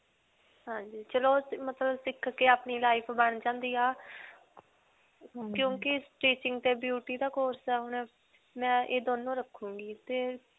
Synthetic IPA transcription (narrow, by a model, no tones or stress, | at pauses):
ɦãːɲd͡ʒiːt͡ʃəloːmət̪ləbsɪkʰːkeːaːpɳiːlaːɪpʰbəɳ̃d͡ʒãːnd̪iːaː | kjõːkɪsʈiːt͡ʃɪ̃ŋɡt̪eːbjuːʈiːd̪aːkoːɾsɛːɦʊnɛ | mɛ̃ːʔeːd̪oːnõːɾəkʰːũːɡiːt̪eː